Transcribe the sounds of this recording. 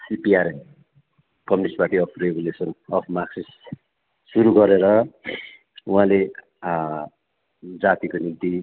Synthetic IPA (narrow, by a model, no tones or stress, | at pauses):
sipiaɾen | kʌminisʈbaʈʰiʌpʰreɡulesʌnʌpʰmaksis | suɾuɡʌɾeɾʌ | uɦãle | d͡zat̪ikonint̪i